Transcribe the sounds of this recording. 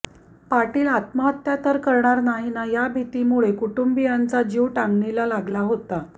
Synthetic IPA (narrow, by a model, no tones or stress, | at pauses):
paʈiːlat̪maət̪jat̪əɾkəɾɳaɾnaɦinajabʱit̪imuɭekuʈumbijant͡sad͡ʑiʋʈaŋɡɳilalaɡlaɦot̪a